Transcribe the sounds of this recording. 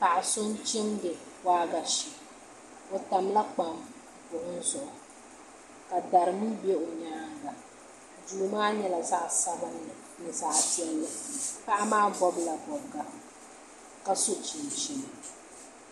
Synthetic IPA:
pa˨ʔa˨sʊ˦nt͡ʃɪ˦mdɪ˨waː˦ɡa˨ʃɪ˨ | o˨ta˨m˦la˦k͡pa˨m | ʊ˨hʊ˦n˦zʊ˨ʔʊ˦ | ka˨da˨ɾɨ˨mu˦be˦ʊ˨ɲaː˦ŋ˨ɡa˨ | duː˦˨˦maː˦ɲɛ˦la˨za˦ʔsa˦bɨ˦nːɨ˨ | nɨ˨za˨ʔtɪ˦ɛ˦lːɨ˦pa˦ʔa˦maː˦bɔ˦bla˨bɔ˨bɡa˨ | ka˦so˦t͡ʃi˨n˨t͡ʃi˦˨n˨

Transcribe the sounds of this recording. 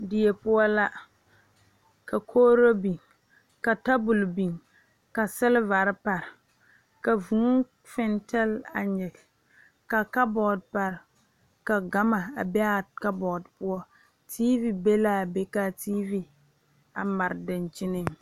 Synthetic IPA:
dɪ˨ɛ˨pʊ˦ɔ˦la˦ | ka˨kʰoː˦ɾo˦bi˨ŋ | ka˨ta˦bu˨lbi˨ŋ | ka˨sɪ˦lɪ˦va˨ɾɪ˦pa˨ɾɪ˨ | ka˨vu˨˦ | fɛ˦ntɛ˦la̰˨ɲɛ˨ɡ | ka˨ka˦bɔ˨dpa˨ɾɪ˨ | ka˨ɡa˦ma˨a˨bɛ˦a˨ka˦bɔ˨dpʊ˦ɔ˦ | tʰiː˦vi˨be˦la˨be˦ka˦tiː˦vi˨ | a˨ma˨ɾɪ˨dɪ˨nt͡ʃɪ˦nɨ˦m

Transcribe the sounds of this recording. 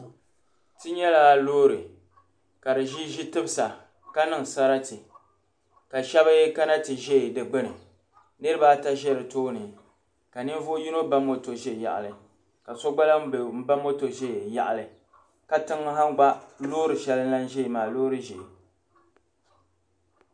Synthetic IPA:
tɨ˦ɲɛ˦la˦loː˦ɾɨ˨ | ka˨dɨ˨ʒi˦ʒi˦tɨ˦bɨ˦sa˨ | ka˦nɨ˦ŋ˨sa˦ɾa˦tɨ˨ | ka˨ʃɛ˦ba˦ka˦na˦tɨ˨ʒɛ˦˨dɨ˨ɡ͡bɨ˦nɨ˨ | nɨ˦ɾɨ˦baː˦ta˦ʒɛ˦ɾɨ˨toː˦nɨ˨ | ka˨nɨ˦m˦vo˦ji˦no˦ba˦mo˦to˨ʒɛ˦˨ja̰˨ʔa̰˨lɨ˨ | ka˨sɔ˦ɡ͡ba˦la˦m˦bm̩˦ba˦mo˦to˨ʒɛ˦˨ja̰˨ʔa˨lɨ˨ | ka˦tɨ˦ŋ˦ɦa˦ŋɡ͡ba˦lo˦ɾɨ˨ʃɛ˦lɨ˦la˦n˦ʒɛ˦˨maː˨loː˦ɾɨ˦ʒɛ˨

